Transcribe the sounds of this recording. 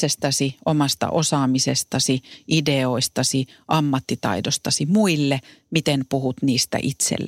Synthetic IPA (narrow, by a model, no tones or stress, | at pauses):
est̪ɑsiʔomɑst̪ɑ̰ʔosɑːmisest̪ɑsiʔideoist̪ɑsiʔɑmːɑt̪ːit̪ɑ̰idost̪ɑsimuilːe | mit̪enpuhut̪niːst̪æ̰ʔit̪sḛlː